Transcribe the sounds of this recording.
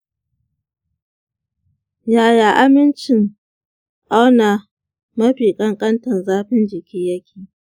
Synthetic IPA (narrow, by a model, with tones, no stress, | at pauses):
jaː˨jaː˨ʔa˦mɪ˦nt͡ʃɪ˨ŋ | ʔa˦wna˨ | mɐ˦ɸiː˨kʼɐ˦ŋkʼɐ˦ntɐ˨nzaː˦ɸɪ˦nd͡ʒɪ˨kʲiː˦jɐ˦kʲʰiː˨